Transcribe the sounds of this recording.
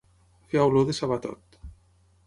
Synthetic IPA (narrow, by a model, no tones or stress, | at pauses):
feawloðesaβat̪ɔ̰t̪